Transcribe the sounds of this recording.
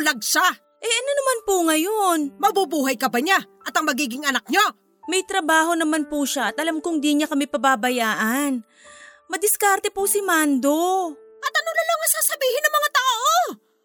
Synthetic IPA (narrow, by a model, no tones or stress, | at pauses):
lɐɡ̚sa | ʔɛʔɐnonɐmanpʊŋɐjo̞nmɐbubuːɦɐjkɐbɐɲaʔɐt̪ɐŋmɐɡiːɡɪŋɐnak̚ɲo | mɐjt̪ɾɐbaːɦo̞nɐmanpuʃaʔɐt̪̚ʔɐlamkʊŋd̪iɲakɐmɛpɐbabɐjaːʔɐn | mɐd̪ɪskaɾt̪ɛpusɪmand̪o̞ | ʔɐt̪ɐnololoŋɐsaːsɐbiːhɪnɐŋmɐŋat̪aːʔo